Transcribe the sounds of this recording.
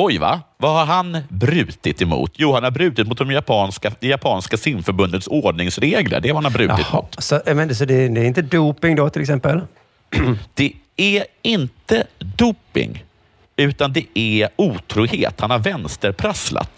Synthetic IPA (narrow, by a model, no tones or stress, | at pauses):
ɔjva̰vahaɾɦanbɾʉ̟ːt̪ɪt̪ɛmṵːt̪ʰjuːhanhaɾbɾʉ̟ːt̪ɪt̪mʊt̪̚d̪ɔmjapʰɑːnskad̪japʰɑːnskasɪmfœɾbɵnd̪ət̪soːɖɳɪŋsɾeːɡlə̰ɖɛhaɾhanhaɾbɾʉ̟ːt̪ɪt̪ːmʊ̰ːt̪sɔmɛns̬ɔd̪ɛd̪ɛɾɪnt̪əd̪uːpɪŋd̪ɔt̪ʰɪlɛksɛmpəl | d̪̥ɛæɪnt̪əd̪uːpɪ̰ŋ | ʉ̟ːt̪and̪ɛʔæuːt̪ʰɾuːhḛːt̪hanhaɾvɛnst̪əɾpʰɾasla̰t̪